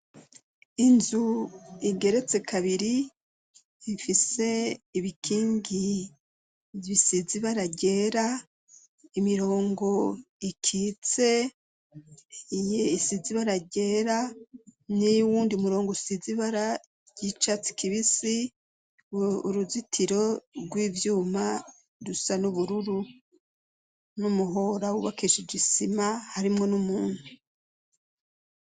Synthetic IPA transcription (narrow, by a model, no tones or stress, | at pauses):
inzuiɡe̞ɾe̞t͡se̞kaβiɾi | ifise̞iβikʰiːŋɡi | βisiziβaɾaɟe̞ːɾa | imiɾo̞ːŋɡo̞ | ikʰiːt͡se̞ | ijeisiziβaɾaɟeːɾa | nijuwuːndiumuɾo̞ːŋɡosiziβaɾa | ɟit͡ʃat͡si̥kʰiβisi | uɾuzitʰiɾo̞ɾɡwiːvjuːma | ɾusanuβuɾuɾu | numuɦo̞ɾawuβakiʃid͡ʒisimahaɾimŋo̞numuːn̥hu